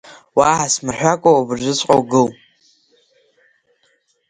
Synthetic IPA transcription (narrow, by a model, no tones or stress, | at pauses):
waʕasmɨrħᶣʷakʷʼoubɨrʒʷɪt͡sʷʼqʼowɡɨl